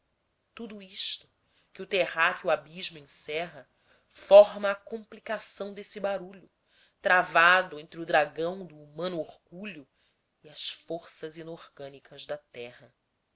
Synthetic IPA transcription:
t̪ud̪uiʃt̪ʊ̥ | kɪʊt̪ehakɪuabiʒmʊẽsɛɦɐ | fɔɾmɐːkõmplikasɐ̃w̃d̪esɪbaɾuʎʊ | t̪ɾavad̪ʊẽnt̪ɾɪʊd̪ɾaɡɐ̃w̃d̪ʊːmɐ̃nuoɾɡuʎʊ | iɐsfoɾsɐzinoɾɡɐ̃nikɐzd̪ɐt̪ɛɦɐ

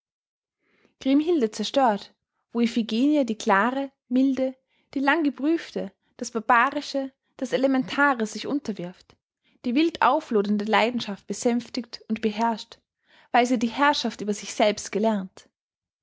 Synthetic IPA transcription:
ɡ̥ʁ̥ɪmɦɪldət͡sɛɐʃtøːɐt | v̥oːefiɡeːnjədiːkl̥aːʁə | mɪldə | d̥iːlaŋɡəbʁyːftə | d̥asb̥aɐbaːʁɪʃə | d̥aselemɛntʰaːʁəz̥ɪçʔʊntɐvɪɐft | d̥iːvɪltʔa̰ʊfloːdəndəlaɪdn̩ʃaft̚b̥əzɛmftɪktʊntb̥əɦɛɐʃt | vaɪlziːdiːhɛɐʃaftʔyːbɐzɪçz̥ɛlpstɡ̥əlɛɐnt

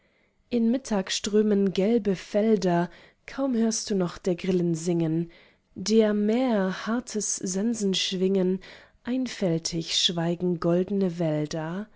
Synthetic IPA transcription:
ʔɪnmɪtʰaːksʃtʁ̥øːmənɡɛlbəfɛldɐ | kʰaʊmhøːɐst̚d̥uːnɔχd̥eːɐɡʁɪlənzɪŋən | deːɐmeːɐhaɐtʰəszɛnzn̩ʃv̥ɪŋənʔaɪnfɛltʰɪçʃv̥aɪɡŋ̩ɡɔldn̩əvɛldɐ

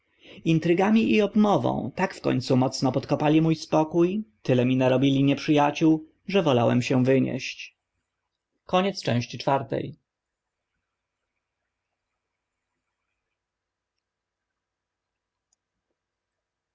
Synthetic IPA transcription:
int̪ɾɘɡamʲiʔiɔbmɔvɔ̰̃w̃t̪akfkɔ̰ɲt̪sumɔt̪snɔpɔt̪kɔpalʲimujspɔkujt̪ɘlɛmʲinaɾɔbʲilʲiɲɛpʂɘjat͡ɕuw | ʐɛvɔlawɛ̰mɕɛ̃vɘɲɛ̰ɕt͡ɕ | kɔɲɛt̪st͡ʂɛ̰̃w̃ɕt͡ɕit͡ʂfaɾt̪ɛ̰j

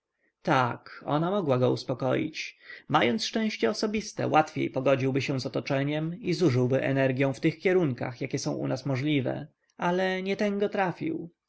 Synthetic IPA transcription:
t̪akɔ̰namɔɡwaɡɔuspɔkɔjḭt͡ɕmajɔnt̪sʂt͡ʂɛ̃w̃ɕt͡ɕɛɔsɔbʲist̪ɛ̰wʔat̪fʲjḛjpɔɡɔd͡ʑiwbɘɕɛ̃zɔt̪ɔt͡ʂɛɲɛmizuʐɘwbɘʔɛ̰nɛɾɡʲjɔ̃w̃ft̪ɘxkʲɛɾuŋka̰xjakʲɛsɔ̃w̃ʔṵnasmɔʐlʲivɛ̰ | alɛɲɛt̪ɛŋɡɔt̪ɾafʲḭw

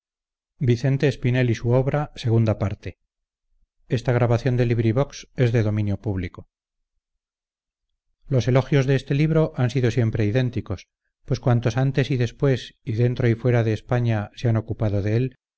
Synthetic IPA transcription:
biθe̞nt̪e̞ːspine̞lisuo̞βɾase̞ɣ̞und̪apaɾt̪e | e̞st̪aɣɾaβaθjo̞nd̪e̞liβɾiβo̞kse̞zðe̞ðo̞mĩnjo̞puβliko̞ | lo̞se̞lo̞xjo̞zðe̞est̪e̞liβ̞ɾo̞ʔansiðo̞sje̞mpɾe̞iðe̞nt̪iko̞s | pwe̞skwant̪o̞sant̪e̞siðe̞spwe̞siðe̞nt̪ɾo̞ifwe̞ɾaðe̞ːspaɲaseano̞kupaðo̞ðe̞el

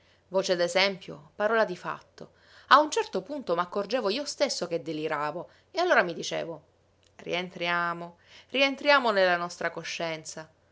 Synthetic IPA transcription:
voːt͡ʃed̪ezɛmpjo̰paɾɔːlad̪ifa̰t̪ːo | aunt͡ʃɛrt̪opunt̪omakːord͡ʒeːvoiːost̪esːok̟ed̪ːeliɾaːvo | ealːoːɾamid̪it͡ʃḛːvo | rḭent̪ɾjaːmo | rient̪ɾjaːmonelːanɔst̪ɾakoʃːɛnt̪sa

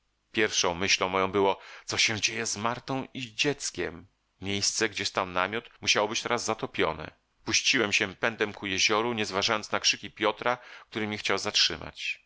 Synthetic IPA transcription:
pʲjɛɾfʂɔ̃w̃mɘɕlɔ̃w̃mːɔjɔ̃w̃bɘwɔt̪ɔɕɛd͡ʑejɛzmaɾt̪ɔ̃w̃id͡ʑɛt̪skʲɛ̰m | mʲjejst̪sɛɡd͡ʑɛst̪awnamʲjɔt̪muɕawɔbɘt͡ɕt̪ɛɾazːat̪ɔpʲjɔ̰nɛ̰ | puɕt͡ɕiwɛmɕɛpɛnd̪ɛmkujɛʑɔɾuɲɛzvaʐajɔnt̪snakʂɘkʲipʲjɔt̪ɾak̚t̪uɾɘmʲixt͡ɕawzatʂɘ̰ma̰t͡ɕ

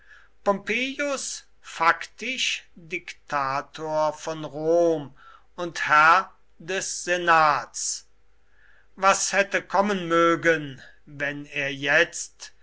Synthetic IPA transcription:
pɔmpeːjʊs | faktɪʃdɪktʰaːtʰoːɐfɔnʁoːm | ʊnthɛɐ | dɛsz̥enaːts | vashɛtəkʰɔmənmøːɡən | vɛneːɐjɛt͡st

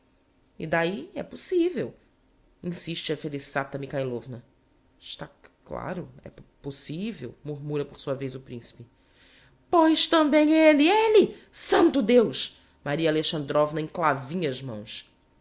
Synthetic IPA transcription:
ḭd̪aiɛ̰posivew | ĩsiʃt͡ʃɪɐfelisat̪ɐmikajlovnɐ | ɪʃt̪akla̰ɾʊɛ̰posivḛwmuɾmuɾɐpoɾsuɐvejzʊpɾĩsi̥pɪ | põj̃ʃt̪ɐ̃mbẽj̃elielɪsɐ̃nt̪ʊd̪ewʃ | maɾiɐaleʃɐ̃nd̪ɾɔvnɐẽj̃klavĩɲɐzmɐ̃w̃s

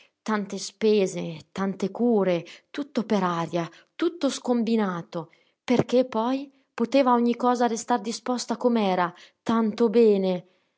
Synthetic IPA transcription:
t̪ant̪espɛːzet̪ant̪ekuːɾet̪ut̪ːopeɾaɾja | t̪ut̪ːoskombinaːt̪o | perk̟epːɔj | pot̪eːvaoɲːikɔːzarest̪ard̪ispɔst̪akomɛːɾat̪ant̪obɛːne

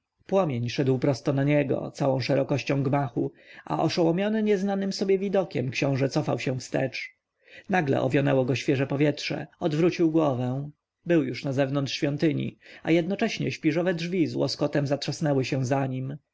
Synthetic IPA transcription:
pwɔmʲjeɲʂɛd̪wpɾɔst̪ɔnaɲɛɡɔ̰t̪sawɔ̃w̃ʂɛɾɔkɔɕt͡ɕɔ̃w̃ɡmaxua̰ʔɔʂɔwɔmʲjɔnɘɲɛznanɘmsɔbʲjɛvʲid̪ɔkʲɛmkɕɔ̃w̃ʐɛt̪sɔfawɕɛ̃fst̪ɛ̰t͡ʂ | naɡlɛ̰ʔɔ̰vʲjɔnɛwɔɡɔɕfʲjɛʐɛpɔvʲjɛtʂɛ̰ɔd̪vɾut͡ɕiwɡwɔvɛ̃ | bɘwjuʂnazɛvnɔnt̪ʂɕfʲjɔnt̪ɘɲḭa̰jɛd̪nɔt͡ʂɛɕɲɛɕpʲiʐɔvɛdʐvʲizwɔ̰skɔt̪ɛmzatʂasnɛwɘɕɛ̃zaɲim

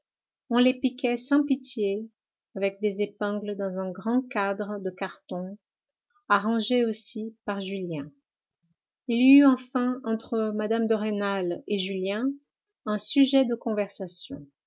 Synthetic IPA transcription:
ɔ̃lepikʲɛsɑ̃pit̪je | avɛk̚d̪ezepɛ̃ɡləd̪ɑ̃zɛ̃ɡʁɑ̃kad̪ʁəd̪əkaʁt̪ɔ̃ | aʁɑ̃ʒeosipaʁʒyljɛ̃ | ilyɑ̃fɛ̃ɑ̃t̪χəmad̪amd̪əʁenaleʒyljɛ̃ | ɛ̃syʒɛd̪əkɔ̃vɛʁsasjɔ̰̃

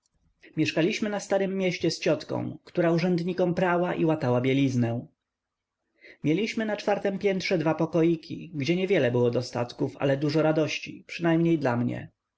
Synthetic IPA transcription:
mʲjɛʂkalʲiɕmɘnast̪aɾɘmːʲjɛɕt͡ɕɛst͡ɕɔt̪kɔ̰̃w̃kt̪uɾauʐɛnd̪ɲikɔmpɾawaʔiwat̪awabʲjelʲiznɛ | mʲjelʲiɕmɘnat͡ʂfaɾt̪ɛmpʲjɛnt̪ʂɛd̪vapɔkɔjikʲʰḭɡd͡ʑɛɲɛvʲjɛlɛbɘwɔd̪ɔst̪a̰t̪kufa̰lɛd̪uʐɔɾad̪ɔɕt͡ɕḭpʂɘnajmɲejd̪lamɲɛ̰

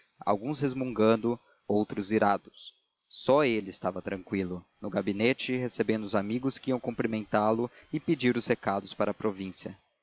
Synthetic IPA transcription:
a̰wɡũshezmũŋɡɐ̃nd̪ʊ | owt̪ɾʊziɾad̪ʊsː | ɔelɪɪst̪avɐt̪ɾɐ̃ŋkwilʊnʊɡabinet͡ʃɪhesebẽnd̪ʊzamiɡʊskɪiɐ̃w̃kõpɾimẽnt̪alʊɪped͡ʒiɾʊshekad̪ʊspaɾʔɐpɾovĩsiɐ̰

